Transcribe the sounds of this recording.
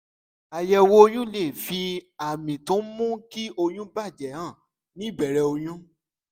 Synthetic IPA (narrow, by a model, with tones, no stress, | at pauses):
a˨jɛ˧wo˧o˧j̃ũ˦le˦˨fi˧a˨mĩ˨tũ˨˦mũ˦ki˦o˧j̃ũ˦ba˦˨d͡ʒɛ˨˦hã˦˨ | nĩ˨˦˨bɛ˨ɾɛ˧o˧j̃ũ˦